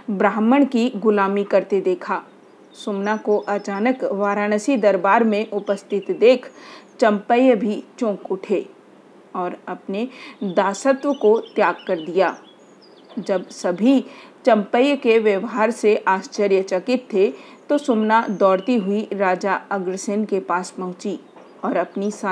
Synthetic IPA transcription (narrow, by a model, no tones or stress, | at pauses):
bɾaːməɽ̃kiɡʊlaːmikɐɾt̪ed̪eːkʰaː | sʊmnakoʔɐt͡ʃaːnəkʋaːɾaːnəsid̪ɐɾbaːɾmẽʔʊpəst̪ʰɪt̪d̪eːkʰt͡ʃɐ̃mpəjbʱit͡ʃõːkʊʈʰe | ɔːɾɐpned̪aːsət̪ʋəkot̪jaːɡ̚kɐɾd̪ijaː | d͡ʒɐbsɐbʱit͡ʃɐ̃mpəjkeʋjəʋɦaːɾseʔaːʃt͡ʃəɾjət͡ʃɐkɪt̪ʰːe | t̪osʊmnad̪ɔːɽt̪iɦʊiɾaːd͡ʒaɐɡɾəsenkepaːspɐɦʊ̃t͡ʃi | ɔːɾɐpnisa